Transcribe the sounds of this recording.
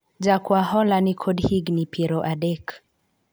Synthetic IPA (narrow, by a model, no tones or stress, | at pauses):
d͡ʒakwahɔlanikʰɔdhiɡnipʰiɾɔʔadɛk